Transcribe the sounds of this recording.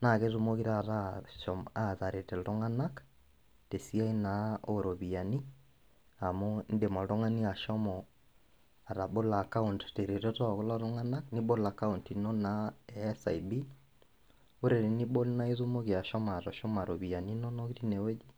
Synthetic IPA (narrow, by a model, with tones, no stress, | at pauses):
na˨ke˦ðu˦mo˦ɣi˦ɾa˨ɾaʃɔma˦˨ða˨ɾe˨tɛ˨lo˦ŋa˦na˦k | te˨si˦a˦i˦nao˦ɾo˨βi˨a˨ni˦ | a˨mo˦nde˨mɔ˨lo˦ŋa˦ni˦a˨ʃɔ˦mɔ˨ | a˨ɾa˨bo˦la˨ka˦u˨ntte˨ɾe˨tɔ˦tɔ˦a˨ɣo˦la˦ɾo˦ŋa˦na˦kni˦bo˦la˨ka˦u˨nti˨nɔ˦nasa̰˨i˨bi˦ | o˦ɾe˨ɾe˨ni˦bo˦lna˦e˦ðu˦mo˦ɣi˨a˨ʃɔ˦ma˨ɾɔ˨ʃɔ˦ma˨ɾo˨βi˨a˨ni˦nɔ˦nɔ˦ɣi˦ɾi˦ne˨we˦d͡ʒi˦